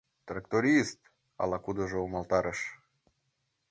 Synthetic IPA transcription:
t̪ɾakt̪oɾʲist̪ | a̰lˠakud̪əʒoumalt̪aɾəʃ

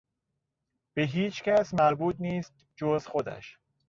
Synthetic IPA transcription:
b̥eɦiːt͡ʃcæsmæɾbuːt̪̚niːst̪̚ | d͡ʒozxod̪æ̰ʃ

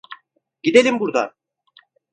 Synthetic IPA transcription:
ɡ̥id̪elʲimbuɾd̪a̰

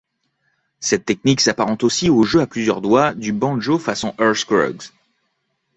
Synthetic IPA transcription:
sɛt̪ːɛk̚niksapaʁɑ̃t̪osioʒøaplyzjœʁd̪wad̪ybɑ̃ʒofasɔ̃ʔœʁskʁɔ̰ɡz

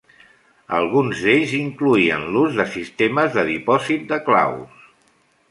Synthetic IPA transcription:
ə̰lˠɣunzðeʎziŋkluiənluzðəsist̪eməzðəðipɔzit̪̚d̪əkla̰ws

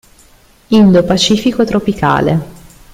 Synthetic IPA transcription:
ind̪opat͡ʃiːfikoet̪ɾopika̰ːlḛ

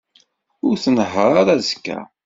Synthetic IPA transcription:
ʊɾθənəɦəɾˤaɾæzkːæ̰

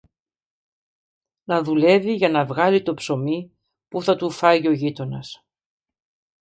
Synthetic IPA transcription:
nɐðule̞viʝɐnɐvɣɐlit̪opso̞mi | puθɐt̪ufɐjio̞ʝit̪o̞nɐs

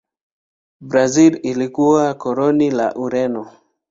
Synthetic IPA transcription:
bɾazililikuwakɔɾɔnila̰ʔuɾɛnɔ

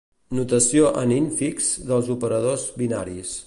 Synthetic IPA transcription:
nut̪əsioʔəniɱfikzðəlˠzupəɾəð̞ozβina̰ɾis

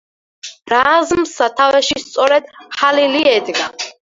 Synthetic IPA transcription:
ɾazmsat̪ʰavɛʃist̪sʼɔɾɛd̪χaliliɛd̪ɡa

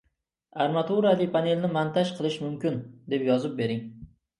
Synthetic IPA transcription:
aɾmat̪ʰuɾalɪpʰane̞lnɪmant̪ʰaʃqʰɨlˠɪʃmʊmkʲɪnd̪e̞pjɒzɪp̚be̞ɾɪŋ

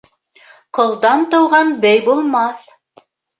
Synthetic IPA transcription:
qŏlˠd̪ɑnt̪ɤ̆wʁɑnbæjbulˠmɑθ

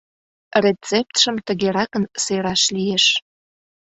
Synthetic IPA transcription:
ret͡sep̚t̪ʃə̆mt̪əɣeɾɑkənseɾɑʃlijeʃ

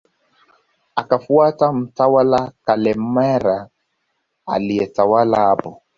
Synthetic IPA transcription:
akafuatam̩tawalakalɛmɛɾa | aliɛtawalaːbɔ

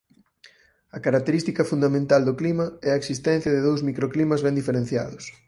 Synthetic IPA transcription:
ɐkaɾak̚t̪eɾist̪ikɐfund̪amẽnt̪ald̪ʊklimɐɛɐeksist̪ɛn̟θjɐðɪðowzmikɾoklimɐzβɛnd̪ifeɾẽn̟θja̰ðʊs

